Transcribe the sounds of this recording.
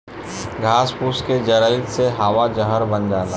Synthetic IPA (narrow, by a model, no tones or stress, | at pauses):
ɡʱaːspuːsked͡ʒəɾəɪt̪seɦaːʋad͡ʒəɦəɾbənd͡ʒaːla